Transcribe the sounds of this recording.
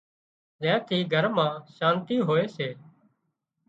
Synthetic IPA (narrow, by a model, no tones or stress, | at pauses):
zɛ̃ːt̪ʰiːɡʱəɾmãːʃãːnt̪iːɦoːeːseː